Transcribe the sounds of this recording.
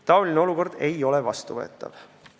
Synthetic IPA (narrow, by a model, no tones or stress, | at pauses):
t̪ɑolʲineo̞luko̞rd̪̥e̞jo̞levɑst̪uvɤet̪ːˑɑ̰v̥